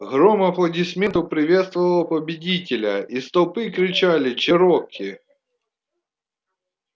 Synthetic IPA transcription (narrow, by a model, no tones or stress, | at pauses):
ɣɾomɐplˠɐdʲɪsʲmʲent̪ʊpɾʲɪʋʲet̪st̪vəvəlˠɐpəbʲɪdʲitʲɪlʲɐ̰ist̪ɐlˠpɨkɾʲɪt͡ɕalʲɪt͡ɕɛɾɔkʲʰːɪ